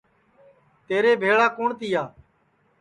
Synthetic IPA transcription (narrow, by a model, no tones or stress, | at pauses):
t̪eːɾeːbʱeːɭaːkoːɳt̪iːaː